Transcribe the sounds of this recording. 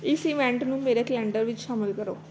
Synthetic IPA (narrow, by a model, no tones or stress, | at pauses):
ɪsiʋɛ̃ɳʈnũːmeːɾekəlɛ̃ːɳɖəɾʋɪt͡ʃʃaːmɪlkəɾo̰ː